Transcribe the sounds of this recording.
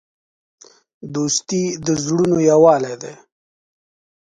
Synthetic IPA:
d̪uːst̪id̪əzɽunojawɑːled̪eː

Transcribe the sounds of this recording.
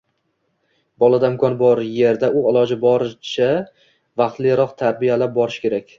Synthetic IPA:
bɒlˠad̪aɪmkʰɒnbɒɾje̞ɾd̪aʊalˠɒd͡ʒɪbɒɾɪt͡ʃʰa | vɑqt̪lɪɾɒqt̪ʰaɾbijalap̚bɒɾɪʃkʲe̞ɾakʲ

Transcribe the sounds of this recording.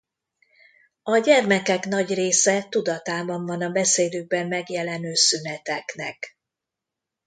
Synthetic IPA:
ɒɟɛrmɛkɛkn̪ɒɟreːsɛt̪ud̪ɒt̪aːbɒɱvɒnɒbɛseːd̪øːɡ̚bɛmːɛɡjɛlɛnøːsynɛt̪ɛknɛ̰k

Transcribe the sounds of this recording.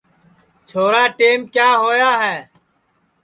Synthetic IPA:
t͡ʃʰoːɾaːʈeːmkjaːɦoːjaːɦɛː

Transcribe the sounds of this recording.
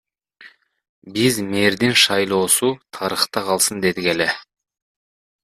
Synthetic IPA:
bizme̞ɾd̪ɪnʃɑjlˠo̞ːsut̪ʰɑɾəχt̪ɑqʰɑlˠsɯnd̪e̞d̪ɪkele

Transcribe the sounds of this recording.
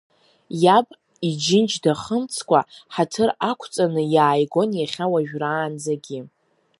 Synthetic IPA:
jabʼ | id͡ʒɪnt͡ʃdaχəmt͡sʰkʷaħatʰɨrakʷʰt͡sʼanɨjaːjɡʷo̞njaχʲawaʒᶣraːnd͡zaɡʲi

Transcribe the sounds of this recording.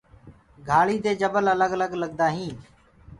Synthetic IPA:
ɡʱaːɭiːd̪eːd͡ʒəbələləɡələɡləɠ̚d̪aːɦĩː

